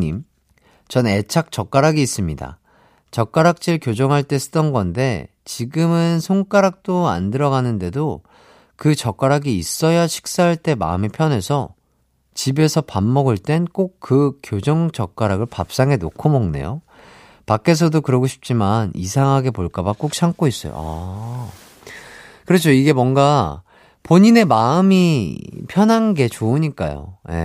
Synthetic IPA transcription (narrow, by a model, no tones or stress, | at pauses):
ɲim | t͡ɕʌne̞t͡ɕʰak̚t͡ɕ͈ʌk͈aɾaɡiːs͈ɯmɲida̰ | t͡ɕʌk͈aɾak̚t͡ɕ͈iɯɭkjod͡ʑʌŋɦaɭt͈e̞s͈ʰɯ̥t͈ʌnɡʌnde̞ | t͡ɕiɡɯmɯnsʰoŋk͈aɾak̚t͈oa̰ndɯɾʌɡanɯnde̞do | kɯt͡ɕʌk͈aɾaɡiːs͈ʌjaɕʰi̥k̚s͈aɦaɭt͈e̞ma̰ɯmepʰjʌnɦe̞sʰʌ | t͡ɕibe̞sʰʌpamːʌɡɯɭt͈e̞nk͈ok̚k͈ːɯkjod͡ʑʌŋd͡ʑʌk͈aɾaɡɯɭpap̚s͈aŋe̞no̰kʰomʌŋne̞̰jo̰ | pak͈e̞s̬ʰʌdokɯɾʌɡoɕʰi̥p̚t͡ɕ͈imanisʰaŋɦaɡe̞poɭk͈abak͈ok̚ɕʰaŋk͈ois͈ʌjo̰a̰ | kɯɾʌt͡ɕʰoiɡe̞mwʌŋɡa | poɲine̞maɯmipʰjʌnɦanɡe̞t͡ɕoɯɲik͈a̰jo̰je̞̰